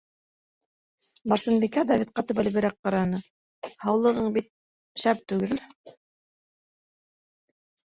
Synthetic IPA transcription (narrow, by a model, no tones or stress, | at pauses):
bɑɾsɤ̆nbikæd̪ɑvʲit̪̚qɑt̪ɵ̆βælβɘ̆ɾæk̚qɑɾɑnɤ | hɑwlˠɤ̆ʁɤɴbit̪̚ | ʃæp̚t̪ʉɡɘl